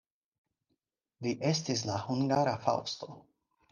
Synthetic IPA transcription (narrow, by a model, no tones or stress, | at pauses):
viʔestis̬lahuŋɡaɾafa̰wsto